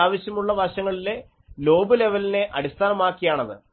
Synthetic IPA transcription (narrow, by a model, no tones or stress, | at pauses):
aːʋɐɕjɐmuɭːɐʋɐɕɐŋːɐɭile̞ | lo̞ːbɨle̞ʋɐline̞ʔɐɽist̪ʰaːnɐmaːkːijaːɳɐðɨ̰